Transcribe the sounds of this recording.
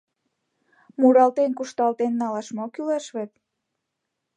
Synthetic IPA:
muɾɑlt̪enkuʃt̪ɑlt̪enːɑlɑʃmokyleʃβet̪

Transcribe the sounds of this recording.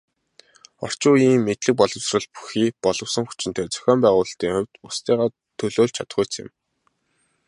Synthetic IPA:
ɔ̰r̥t͡ɕʊːjiːŋːet̪ɮɘ̆k̚pɔɮɞ̆wsrə̆ɮpu̥xiːpɔɮɞ̆wsə̆ŋxu̥t͡ɕɪ̆nt̪ʰœːt͡sɞ̥̆xʲɔːmpæːʁʊːɮɬt̪iːŋχʊwʲt̪ʊst̪iːʁaː | t̪ʰːɵɮoːɮt͡ɕʰat̪ə̆χuːjʰt͡sʰɪ̰̆m

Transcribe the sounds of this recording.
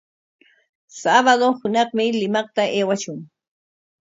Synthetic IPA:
saβad̪ohʊnɑχmɪlɪmɑχt̪aʔeːwaʃʊŋ

